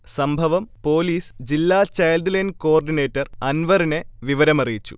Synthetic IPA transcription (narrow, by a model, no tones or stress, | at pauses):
sɐmbʱɐʋɐmpo̞ːliːsd͡ʑilːaːt͡ɕɐjlɖlɐjnko̞ːrɖine̞ːtːɐrɐnʋɐrineʋiʋɐɾɐmɐrijit͡ɕːu̥̰